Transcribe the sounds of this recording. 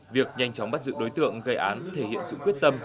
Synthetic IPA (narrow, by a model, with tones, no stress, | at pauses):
vi˨˩ək̚ɲa˧jŋ̟t͡ɕɔ˨˦wŋ͡mɓa˦˥t̚zɨ̰˧˥ɗo˨˦jt̪ɨ̰˧˨əŋɣə˧jʔaː˨˦nt̪ʰe˧˩hḭ˧˨ənsɨ̰˧˨kwət̚t̪ə˧m